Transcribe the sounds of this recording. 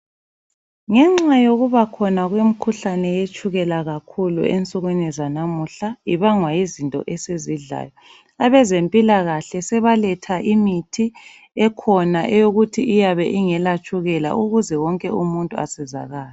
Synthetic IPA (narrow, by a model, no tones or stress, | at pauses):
ŋɛŋ͡ǁajoɣuβakʰɔnaɣwem̩kʰuɬanɛjet͡ʃʼuɣɛlaɣakʰulṵent͡sʼuɣwinizanamuɬaiβaŋwajizintʼɔ̰ʔɛseziɮa̰jɔ | aβɛzempʼilaɣaɬɛsɛβalɛtʰaʔimitʰi | ɛkʰɔnaʔɛjoɣutʰiʔːjaβɛʔiŋɛlat͡ʃʼuɣɛla̰ʔuɣuzɛwɔŋkʼɛumuntʼua̰sɛza̰ɣaːlɛ